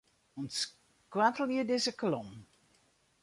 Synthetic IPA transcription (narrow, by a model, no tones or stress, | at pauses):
ɔns | kwatəlˠiədɪzəklɔm